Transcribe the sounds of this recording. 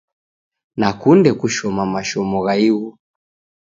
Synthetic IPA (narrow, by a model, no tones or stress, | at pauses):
nakundɛkuʃɔmamaʃɔmɔɣaiɣu